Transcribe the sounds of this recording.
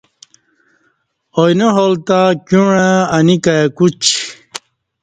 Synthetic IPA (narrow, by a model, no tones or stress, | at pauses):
ojnoɦolt̪akuɳ̃ẽɐnikakut͡ɕ